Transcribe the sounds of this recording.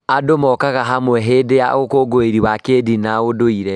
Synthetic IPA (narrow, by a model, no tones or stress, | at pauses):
adomɔkaɣaɦamwɛɦedeja̰okoɡoeɾiwakedinaodoiɾɛ